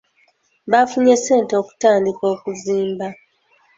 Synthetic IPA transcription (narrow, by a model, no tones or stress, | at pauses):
βafuɲe̞seːnteoku̥taːndiko̞ːkuziːmba